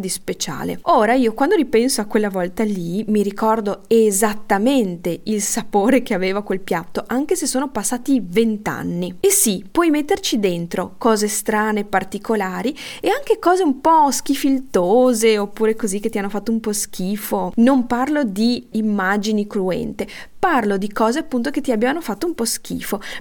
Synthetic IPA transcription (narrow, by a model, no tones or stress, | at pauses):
d̪ispet͡ʃa̰ːlḛoːɾaiːokwand̪oɾipɛnsoakːwelːavɔlt̪alimiɾikɔrd̪oezat̪ːament̪eilsapoːɾek̟eaveːvakwelpjat̪ːoʔaŋk̟esesːoːnopasːaːt̪ivent̪a̰nːiesipwɔjmet̪ːert͡ʃid̪ent̪ɾokɔːzest̪ɾaːneːpːart̪ikʰolaːɾieaŋkekɔːzeumpɔsk̟ifilt̪oːzeopːuːɾekozikːet̪ːianːofat̪ːoumpɔsk̟iːfonomparlod̪iːmːad͡ʒinikɾuɛ̰nt̪e | parlod̪ikɔːzeapːunt̪oket̪ːiabːevanofat̪ːoumpɔsk̟ḭːfo